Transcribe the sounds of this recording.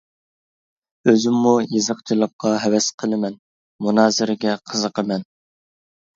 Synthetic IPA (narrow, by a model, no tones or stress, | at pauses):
øzymːujɨzəqt͡ʃʰilˠəp̚qʰɑɦɛwɛsqʰəlˠɨmɛn | munɑːzɪɾɪɡʲɛqʰəzəqəmɛn